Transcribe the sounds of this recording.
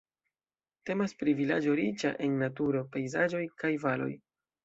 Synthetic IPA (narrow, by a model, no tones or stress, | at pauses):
te̞maspɾivila̰d͡ʒo̞ɾit͡ʃa̰ʔe̞nːatuɾo̞pe̞jzad͡ʒo̞jkajvalo̞̰j